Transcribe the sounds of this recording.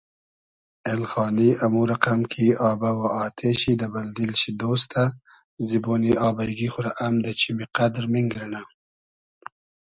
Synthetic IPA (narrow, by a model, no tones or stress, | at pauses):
elxɑːniʔamuɾaqamkʰiɑːbawaɑːt̪ʰeɕid̪abald̪ilɕid̪ost̪a | ziboːniɑːbajɡixʊɾaʔamd̪ət͡ʃʰimiqad̪ɾmiŋɡɾina